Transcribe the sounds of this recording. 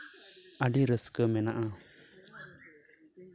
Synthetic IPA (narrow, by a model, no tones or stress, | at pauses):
aɖiɾəskəmɛnaʔa